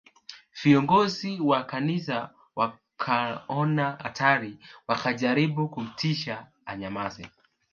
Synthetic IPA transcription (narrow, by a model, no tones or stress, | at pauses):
v̥iɔŋɡɔziwakanisa | wa | kʰaɔnaa̰tʰaɾiwakaʄaɾiɓukum̩tiʃaː | ɲamazɛ